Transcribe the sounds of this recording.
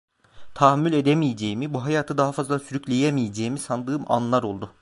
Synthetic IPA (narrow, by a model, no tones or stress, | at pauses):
t̪ʰahmylʲe̞d̪emijed͡ʒejimibuɦajaːt̪ʰɯd̪aɦafazlˠasyɾyclʲejemijed͡ʒejimisand̪ɯːma̰nlˠaɾo̞lˠd̪ʊ